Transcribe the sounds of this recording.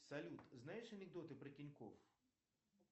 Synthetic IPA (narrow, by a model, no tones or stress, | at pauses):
sɐlʲut̪znajɛʂɐnɛɡd̪ɔt̪ɨpɾɐtʲinʲkɔ̰f